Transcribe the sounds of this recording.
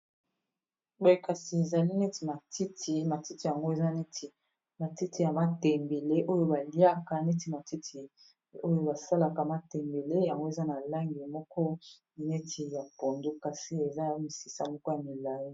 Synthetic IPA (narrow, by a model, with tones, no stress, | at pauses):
bo˨e˨ka˨si˨e˨za˨li˦ne˦ti˨ma˨tʰi˦ti˨ma˨ti˦ti˨ja˨ŋɡo˦e˨za˦ne˦ti˨ | ma˨ti˦tʰi˨ja˨ma˦tɛ˨mbe˨le˦ʔo˦jo˦ba˨li˦a˦ka˨ne˦ti˨ma˨ti˦tʰi˨ | o˦jo˦ba˨sa˦la˨ka˨ma˦tɛ˨mbe˨le˦ja˨ŋɡo˦e˨za˦na˨la˦ŋɡi˨mɔ˦kɔ˦ | i˨ne˦tʰi˨ja˨po˨ndu˦ka˨si˨e˨za˦mi˨si˨sa̰˦mɔ˦kɔ˦ja˨mi˨la˨ji˦